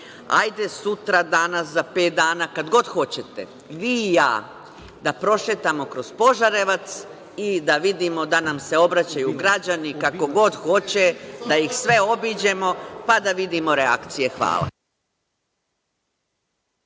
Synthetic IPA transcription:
a̰jd̪e̞sut̪ɾad̪anas̬zapeːt̪̚d̪aːnakad̪ɡo̞d̪xo̞t͡ɕet̪e | ʋiːja̰ː | d̪apɾo̞ʃet̪amo̞kɾo̞zpo̞ʒaɾe̞ʋat̪s | id̪aʋid̪imo̞d̪anamse̞o̞bɾat͡ɕajuɡɾad͡ʑanikako̞ɡo̞d̪xo̞t͡ɕed̪ajixsʋe̞o̞biːd͡ʑe̞mo̞pad̪aʋid̪imo̞ɾea̰kt̪sije̞xʋa̰ːlˠa̰

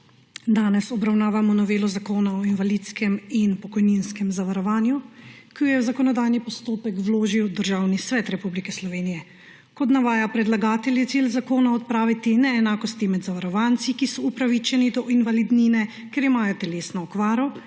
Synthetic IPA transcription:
d̪aːnɛsɔbɾawnaːʋamɔnɔʋeːlɔzakoːnaɔinʋaliːt̪skɛminpɔkɔjninskɛmzaʋaɾɔʋaːnjukijɔjɛwzakɔnɔd̪aːjnipɔst̪oːpɛkwloːʒiwd̪əɾʒaːwnisʋɛt̪ɾɛpublikɛslɔʋeːnijɛ | kɔt̪naʋaːjapɾɛd̪laɡaːt̪ɛljɛt̪silzakoːnaɔt̪̚pɾaːʋit̪inɛːnaːkɔst̪imɛd̪zaʋaɾɔʋant̪sikisɔupɾaʋit͡ʃɛnid̪ɔʔinʋalid̪ninɛ | kɛɾimaːjɔt̪ɛleːsnɔːkʋaːɾɔ

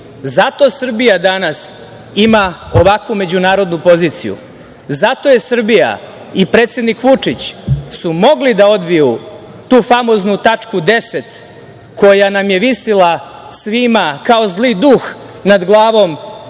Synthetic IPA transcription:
zat̪o̞sr̩bijad̪anas | imaoʋakʋume̞d͡ʑunaːɾo̞d̪nupo̞ziːt̪sḭjṵ | zat̪o̞jesr̩bija̰ | ipɾet̪sje̞d̪nikʋut͡ʂit͡ɕsumo̞ɡlid̪ao̞d̪biju | t̪uːfamo̞znut̪at͡ʂkud̪e̞se̞t̪ | ko̞janamje̞ʋisila | sʋimakao̞zlid̪ux | nad̪ɡlˠaːʋo̞m

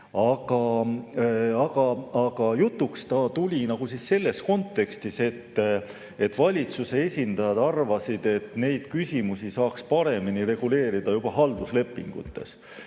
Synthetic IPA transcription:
ɑɡ̥ɑ | ɑɡ̥ɑɑɡ̥ɑjut̪ːˑukst̪ɑt̪ulʲinɑɡ̥usisːe̞lːe̞sko̞nt̪ːe̞kst̪ise̞t̪ː | e̞t̪ːˑvɑlʲit̪suse̞e̞sʲind̪̥ɑjɑd̪̥ɑrvɑsid̪̥e̞t̪ːˑne̞jd̪̥kysʲimusisɑːkspɑɾe̞miniɾe̞ɡ̥ule̞ːɾid̪̥ɑjub̥ɑɦɑld̪̥usle̞pːˑḭŋɡ̥ṵt̪ːe̞̰s

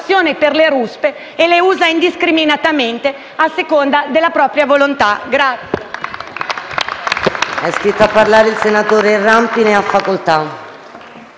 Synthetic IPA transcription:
sːjoːneperleɾuspeː | leuːzaind̪iskɾiminat̪ament̪e | asːekond̪ad̪elːapɾɔːpɾjavolont̪aɡɾat̪sːjje | ɛst̪it̪ːoapːaɾlaːɾeilsenat̪oːɾeirampineafːakolt̪a

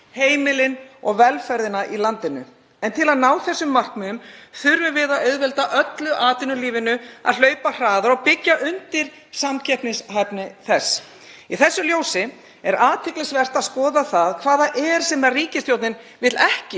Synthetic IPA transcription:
heːjmɪlɪnɔɣvɛlfɛɾðɪnaʔilant̪ɪnʏ | ɛnt̪ʰɪlaðnaːwθɛsːʏmːar̥kmɛʏmθʏɾvʏvɪðaðœɥðvɛlt̪aʔœt̪lʏʔaːt̪ɪnʏliːvɪnʏa̰ðlœːɥpar̥aːðaɾɔɣpɪcːaʔʏnt̪ɪɾ̥ | samcʰɛpnɪsɦapnɪθɛs | iθɛsːʏljoːwsɪ | ɛɾaːt̪ʰɪklɪsvɛr̥t̪aðskɔːðaθaðkʰvaːðaʔɛɾ̥sɛmɛɾriːcɪst̪jowt̪nɪn | vɪt̪lɛhcɪ

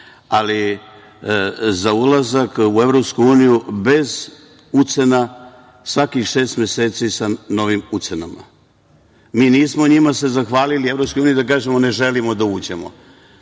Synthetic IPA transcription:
ali | zaulazakue̞vɾopskuuːnijube̞z | ut̪se̞na | sʋakixʃe̞ːst̪mjeseːt̪sisano̞ʋimut̪senama̰ | miːniːsmoɲimase̞zaxʋaːlilie̞vɾo̞pskojuːnid̪ak̬aːʒemone̞ʒe̞limo̞d̪auːd͡ʑe̞mo̰

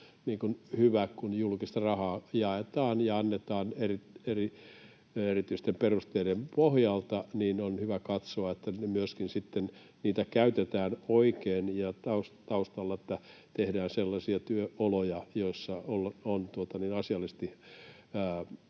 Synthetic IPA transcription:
niːkunhyʋækunjulkist̪ɑrɑhɑːjɑet̪ɑːnjɑɑnːet̪ɑːnerieri | erit̪yist̪emperust̪eidempohjɑlt̪ɑniːnonhyʋækɑt̪soɑet̪ːæemyøskinsit̪ːen | niːt̪ækæyt̪et̪æːnoikeːnjɑt̪ɑust̪ɑust̪ɑlːɑet̪ːæt̪ehdæːnselːɑsiɑt̪yøolojɑjoisːɑolːont̪uot̪ɑniːnɑsiɑlːˑist̪i | əː

